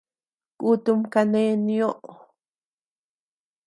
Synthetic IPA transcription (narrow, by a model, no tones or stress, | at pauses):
kʼut̪umkanenioʔ